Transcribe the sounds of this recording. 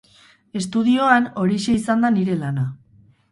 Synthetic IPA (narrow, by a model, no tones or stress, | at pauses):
e̞st̪uðio̞ano̞ɾiʃe̞isand̪aniɾe̞lana